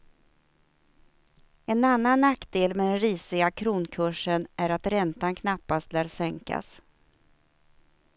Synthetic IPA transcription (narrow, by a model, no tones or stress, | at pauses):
ɛnanːanːakːd̪eːlmɛd̪ɛnɾiːsɪɡakʰɾuːnkʰɵʂənʔæɾat̪ɾɛnt̪ankʰnapːast̪læːɾsɛŋka̰s